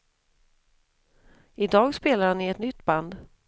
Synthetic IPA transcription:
ɪd̪ɑːɡspeːlaɾhanːɪɛt̪nʏt̪ːband̪

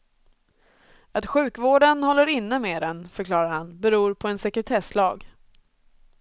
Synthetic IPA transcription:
at̪ɧʉ̟ːkvoːɖənhɔlːəɾɪnːəmeːd̪ɛnfœɾkʰlɑːɾaɾhanbɛɾuːɾpʰɔɛnsɛkɾɛt̪ʰɛslɑːɡ

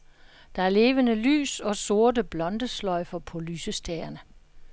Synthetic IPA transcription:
d̥ɑ̈æɐle̝ːʋənəly̰ːsɒ̽so̝ɐdəb̥lɒ̽nd̥əslɒɪfɐpʰɒ̽lyːsəsd̥æːɐnə

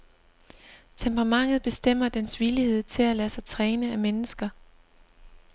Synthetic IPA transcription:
t͡sʰempʰʁɑ̈mɑ̈ŋ̰ð̞̩ˠb̥e̝sd̥em̰ɐd̥ensʋilihe̝ð̞̰ˠt͡sʰe̝lælæsɑ̈ɪt͡sʰʁɛːnəæmenəsɡ̥ɐ

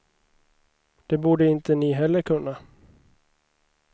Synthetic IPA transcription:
d̪̥ɛbuːɖəɪnt̪ənɪɦɛlːəɾkʰɵnːa

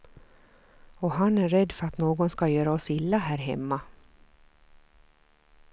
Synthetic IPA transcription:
ɔɦanæɾɛd̪ːfœɾat̪noːɡɔnskajœːɾaɔsɪlːaɦæːɾɦɛ̰mːa

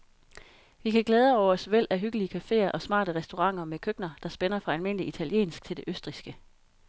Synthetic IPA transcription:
ʋikʰæɡ̥leːð̞ˠəɒʊ̰ɐɒ̽sʋel̰æɦyɡ̥əliəkʰæfe̝̰ːɐʔɒ̽smɑ̰̈ːd̥əʁɛsd̥o̝ʁɑ̈ŋ̰ɐmekʰøɡ̥nɐd̥ɑ̈sb̥enɐfʁɑ̈ælme̝n̰əliit͡sʰæliḛːnsɡ̥̚t͡sʰe̝ld̥e̝ʔøsd̥ʁisɡ̥ə

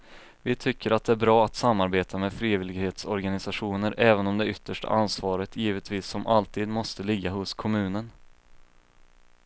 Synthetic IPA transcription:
vɪt̪ʰʏkːəɾat̪̚d̪ɛæɾbɾɑːat̪samːaɾbeːt̪ʰamɛːd̪fɾiːvɪlɪɡheːt̪sɔɾɡanɪsaɧuːnəɾʔɛːvənɔmd̪ɛʏt̪ːəʂʈa̰ʔansvɑːɾət̪jiːvət̪ʰviːsːɔmʔalt̪ʰiːd̪mɔst̪əlɪɡːaɦʊskʰɔmʉ̟ːnən

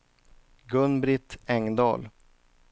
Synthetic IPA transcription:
ɡɵnbɾɪt̪ɛŋd̪ɑ̰ːl

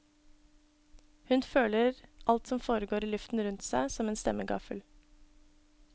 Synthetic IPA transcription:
hʉnføːləɾʔɑlt̪sɔmfoːɾəɡoːɾiːlʉft̪n̩ɾʉnt̪sæɪsɔmeːnst̪ɛ̰məɡɑ̰fəl

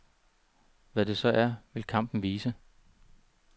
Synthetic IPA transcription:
ʋæd̥e̝sɒ̽ʔæɐʋe̝lkʰɑ̈m̰b̥n̩ʋiːsə

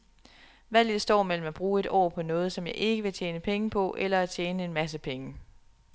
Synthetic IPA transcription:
ʋæl̰dɑsd̥ɒ̰ːmel̰m̩æb̥ʁuːe̝d̥ɒ̰ːpʰɒ̽nɔ̽ːð̞̩ˠsɒ̽mjɑ̈ɪʔe̝ɡ̥əʋe̝t͡ɕʰjeːnəpʰeŋəpʰɒ̽ʔelɐæt͡ɕʰjeːnəe̝nmæs̬əpʰeŋə

